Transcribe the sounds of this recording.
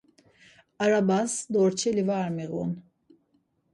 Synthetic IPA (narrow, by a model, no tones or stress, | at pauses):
aɾabasd̪oɾt͡ʃʰelivaɾmiɣun